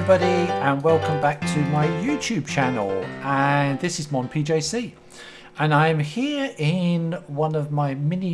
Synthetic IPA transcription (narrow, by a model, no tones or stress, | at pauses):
bɒɾiə̃nwɛlˠkə̃mbak̚tʰəmaɪjʉːˑt͡ʃʰʉːb̚t͡ʃʰanl̩ˠə̃nðɪsɪzmɒ̃npʰiːd͡ʒeɪsi | ʔə̃nãɪ̃mhɪəɹɪ̃nwʌ̃nəvmaɪmɛni